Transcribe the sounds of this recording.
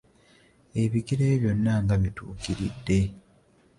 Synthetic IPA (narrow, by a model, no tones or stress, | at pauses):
e̞βiɡiɾe̞ːβjo̞nːaŋɡaβitṵːkiɾidːe̞